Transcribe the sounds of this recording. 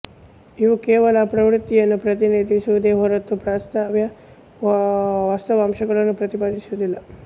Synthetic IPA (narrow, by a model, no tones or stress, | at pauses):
iʋukɛːʋɐlɐpɾɐʋɾut̪ːijɐnːupɾɐt̪̬iniːd̪ʱisuʋud̪eːɦɔɾɐt̪ːupɾaːst̪ʰaːʋjɐ | ʋaːst̪ɐʋaːmʃɐɡɐɭɐnːupɾɐt̪ipaːd̪isuud̪ilːɐ